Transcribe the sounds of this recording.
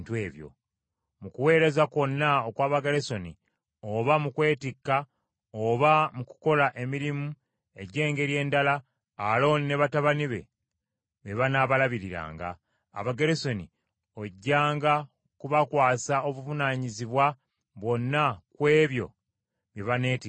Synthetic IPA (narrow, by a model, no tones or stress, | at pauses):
tweːβjo̰ | mukuwe̞ːɾe̞zako̞nːaokwaːβaɡeɾeso̞ni | oβamukwe̞ːtikːa | oβamuku̥ko̞laʔe̞miɾimu | e̞ɟe̞ːŋɡe̞ɾje̞ːndalaː | lo̞ːnine̞βataβaniβe̞̰ | βe̞βanaβalaβiɾiɾa̰ːŋɡa̰ː | βaɡeɾeso̞ni | oɟːaːŋɡa | kuβakwaːsao̞βuvunaːɲiziβwa | βwo̞nːakwe̞ːβjo̞̰ | βjeβane̞ːti